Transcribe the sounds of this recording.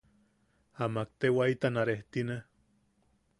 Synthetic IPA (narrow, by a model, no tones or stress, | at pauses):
amak̚t̪ewait̪anaɾeht̪ina